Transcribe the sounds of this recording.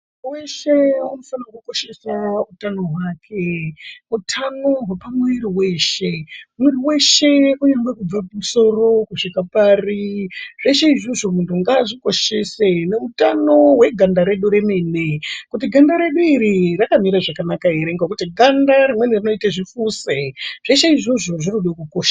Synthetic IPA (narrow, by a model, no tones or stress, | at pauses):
weʃeuno̞fanawakuko̞ʃe̞sautano̞ɦwaːkʰe̞mutʰano̞ɦapamuiriwe̞ʃe̞miriwe̞ʃe̞kuɲeŋɡwekub͡vapumuso̞ro̞kuʂikapaːriʐ̥e̞ʃeiʐoʐoʐintʰuŋɡaːʐiko̞ʃese̞ne̞utano̞we̞ɡʱandaɾe̞ɗuɾe̞me̞nekutiɡʱandaɾe̞ɗuiɾirakamiɾaʐakanakaeɾeŋɡakutiɡʱandaɾimwe̞nerino̞itaʐifuseʐ̥e̞ʃeiʐoʐo̞ʐinoɗakukoːʃḁ